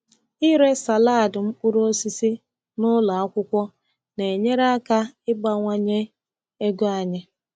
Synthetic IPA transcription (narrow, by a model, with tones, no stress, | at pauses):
ɪ˦ɾe˦sa˨laː˦˨dʊ˨m̩˦k͡pʊ˦ɾo˦si˦si˦ | nʊ˦la˨a˦kʷʊ˦kʷɔ˦ | ne˨ɲe˦ɾa˦ka˦ɪ˦ɡ͡ba˦ŋʷa˦ɲe˦ | e˦ɡo˦a˨ɲɪ˦